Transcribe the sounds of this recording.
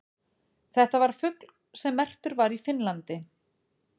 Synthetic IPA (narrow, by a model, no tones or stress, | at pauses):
θɛht̪avaɾ̥fʏkl̥ | sɛmːɛr̥t̪ʏɾvaɾifɪnlant̪ɪ